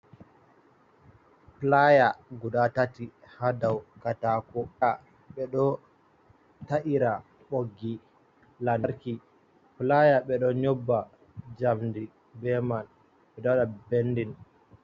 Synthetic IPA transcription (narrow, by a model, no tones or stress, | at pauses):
plajaɡudatati | hadawkatakɔa | ɓɛɗɔ | taʔiɾa | ɓoɡːi | lanɾki | plajaɓɛɗɔɲɔbːa | d͡ʒamdi | bɛman | ɓɛɗɔɗabenːdin